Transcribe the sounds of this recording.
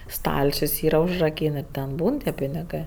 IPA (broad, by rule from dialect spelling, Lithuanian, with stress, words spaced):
ˈstɐlʲt͡ʃʲʊs ˈiːrɐ ʊʒrɐˈkʲiːn ɪr tʲɛn ˈbuːn tʲiɛ pʲɪnʲɪˈɡɜ